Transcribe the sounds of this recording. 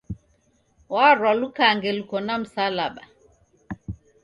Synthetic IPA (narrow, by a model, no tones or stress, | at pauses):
waɾwalukaŋɡɛlukɔnam̩salaɓa